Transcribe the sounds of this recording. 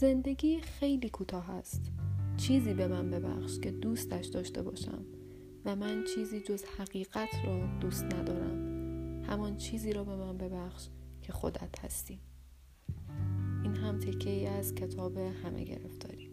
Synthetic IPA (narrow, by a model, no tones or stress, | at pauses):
ze̞nd̪e̞ɟʲiːxejliːkʰut̪ʰɒːɦæst̪t͡ʃʰiːziːbe̞mænbe̞bæ̰χʃcʰe̞d̪uːst̪æʃd̪ɒːʃt̪e̞̰bɒ̰ːʃæ̰m | væmænt͡ʃʰiːziːd͡ʒo̞zhæɣiːɣæt̪ʰrɒːd̪̥uːst̪næd̪ɒːɾæ̰mhæmɒnt͡ʃʰiːziːɾɒːbe̞mænbe̞bæχʃcʰe̞xo̰d̪æ̰t̪ʰhæ̰st̪iːm | ʔiːnɦæmt̪ʰe̞cʰːeiːæzcʰe̞t̪ʰɒːbe̞hæmʔḛɟe̞̰ɾḛft̪ɒ̰ːɾiː